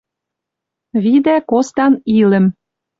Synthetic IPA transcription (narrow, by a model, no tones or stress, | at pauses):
βid̪ækost̪ɑnilɘ̆m